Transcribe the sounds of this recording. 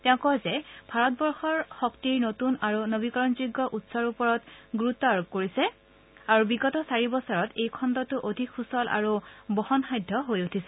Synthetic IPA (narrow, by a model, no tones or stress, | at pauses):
tɛʊ̃kɔzɛb̥ʱaɹɔt̚bɔɹxɔɹxɔktiɹnotunaɹunobikɔɹɔnzuɡːɔʔutsɔɹupɔɹɔtɡuɹutːɔaɹub̚koɹisɛ | aɹubiɡɔtɔsaɹibɔsɔɹɔtejkʰɔndɔtʊʔodʱikʰxusɔlʔa̰ɹubɔhɔnxajdʱɔɦojutʰisɛ